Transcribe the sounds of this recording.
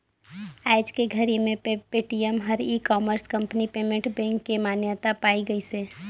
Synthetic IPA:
aɪd͡ʒkeɡʱəɾimẽppeːʈijəmɦəɾikɔːməɾskə̃mpnipeːmẽɳʈbɛ̃ːŋkːemaːnjət̪apaːiɡəiseː

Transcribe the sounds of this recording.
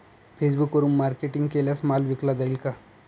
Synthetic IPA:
fʰesbukəɾuːnmaɾkeʈiŋɡkeljasmalʋiklad͡zailka

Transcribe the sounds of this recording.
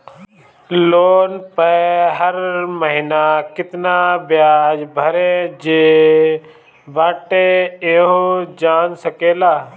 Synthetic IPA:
loːnpəɦəɾməɦɪnakɪt̪nabjaːd͡ʒbʱəɾed͡ʒeː | baːʈeeɦod͡ʒaːnsəkeːlaː

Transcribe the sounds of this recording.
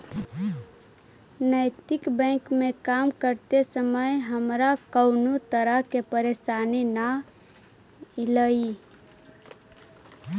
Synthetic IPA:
nəjt̪ikbə̃kmekamkəɾt̪esəməjɦəmɾakəʊnut̪əɾəɦkepəɾesanina | iləi

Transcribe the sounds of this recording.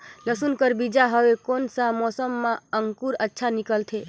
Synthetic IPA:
ləsunkəɾbid͡ʒaɦəekonsãmɔsəmːaəŋkuɾətːʃʰanikəlt̪ʰe

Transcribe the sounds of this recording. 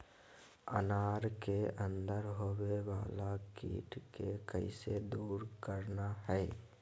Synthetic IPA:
ə̰naːɾkeə̃nd̪əɾɦoːweʋaːlakḭːʈkekə̰ɪsed̪uːɾkəɾnaɦɛː

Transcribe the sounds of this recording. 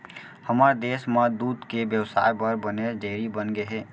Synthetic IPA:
həməɾd̪esməd̪ud̪kebjəwsa̰ɾbəɾbəneɾd͡ʒeɾibənɡeɦe

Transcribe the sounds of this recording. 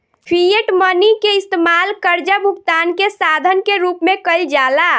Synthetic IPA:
pʰieʈmənikeist̪emalkəɾd͡ʒabʱukt̪ankesad̪ʱənkeɾupmẽkəld͡ʒala

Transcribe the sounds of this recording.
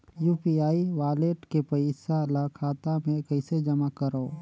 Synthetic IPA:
juːpiaːiʋaːleːʈkepəɪsalakʰaːt̪amẽkɐɪsed͡ʒɐmakəɾoː

